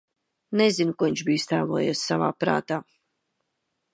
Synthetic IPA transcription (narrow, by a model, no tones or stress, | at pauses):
nezinukuiɲʲʃbiːst̪aːlˠuɔjɛssava̰ːpɾa̰ːt̪aː